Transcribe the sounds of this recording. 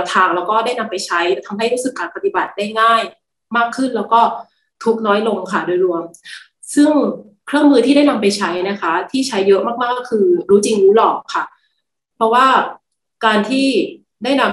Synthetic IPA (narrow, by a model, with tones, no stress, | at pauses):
t̪ʰaː˧˩ŋlɛː˦˥wkɔː˥˩daː˥˩jna˧mpa˧jt͡ɕʰa˦˥jt̪ʰa˧mɦa˥˩jɾuː˦˥sɯ˨˩kːaː˧npa˧t̪i˨˩ba˨˩t̪̚daː˥˩jŋaː˥˩j | maː˥˩kʰːɯ˥˩nlɛː˦˥wkɔː˥˩ | t̪ʰu˨˥k̚nɔː˦˥jlo˧ŋkʰa˥˩doː˧jɾu˧əm | sɯ˥˩ŋ | kʰɾɯ˥˩əŋmɯː˧t̪ʰiː˥da˥˩jna˧mpa˧jt͡ɕʰa˦˥jna˦˥kʰa˦˥t̪ʰiː˥˩t͡ɕʰa˦˥jːɤ˦˥ʔmaː˥˩k̚maː˥˩kʰɯː˧ɾuː˦˥t͡ɕi˧ŋɾuː˦˥lɔː˨˩kʰːa˥˩ | pʰɾɔ˦˥waː˥˩ | kaː˧nt̪ʰiː˥˩ | daː˥˩jna˧m